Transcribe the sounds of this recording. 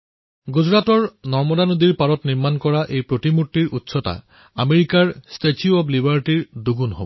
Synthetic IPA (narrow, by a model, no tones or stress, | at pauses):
ɡuzɹatɔɹnɔɹmɔdanodiɹpaɹɔtniɹmankɔɹaʔejpɹotimutːiɹʔutsɔta̰ | ameɹikaɹstetjuɔblibaɹtiɹduɡunɦo̰bɔ